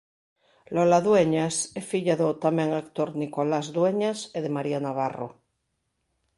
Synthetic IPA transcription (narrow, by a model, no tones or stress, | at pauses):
lolaðweɲasefiʎaðot̪amẽŋakt̪oɾnikolazðweɲaseðemaɾianaβaro̰